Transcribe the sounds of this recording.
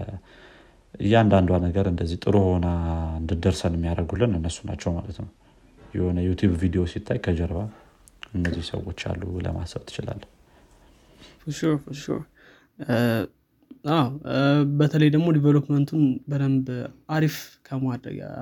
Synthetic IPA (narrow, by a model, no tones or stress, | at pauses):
ɨjːɛand̪and̪wanəɡəɾɨnd̪əzːiht̪ʼɨɾuho̞naɨnd̪ɨd̪əɾsənɨmːijaɾəɡulːɨnɨnːəsːuna̰t͡ʃːɛwmalət̪nəw | jɪho̞nəjut̪ʰjuβvid̪ijo̞sit̪ʰːajkʰəd͡ʒəɾβa | ɨnːəzːihsə̰wo̞t͡ʃːa̰lːulə̰ma̰səβt̪ʰɨ̥t͡ʃɪla̰lː | fuʃofuʃo̰ | awbət̪ʰələjd̪əɡmo̞d̪ivelopmənt̪ʰunbəd̪əmbaɾifkʰəmad̪ɾə̰ɡa̰